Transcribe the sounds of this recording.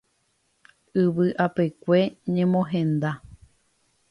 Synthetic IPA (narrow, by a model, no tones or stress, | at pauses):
ɨʋɨʔapekʷe̞ɲẽ̞mõɦẽ̞nd̪a